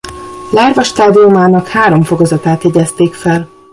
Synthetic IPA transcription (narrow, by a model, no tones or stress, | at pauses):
laːrvɒʃt̪aːd̪iumaːnɒkhaːɾo̞mfo̞ɡozɒt̪aːt̪hɛɟɛst̪eːkfɛl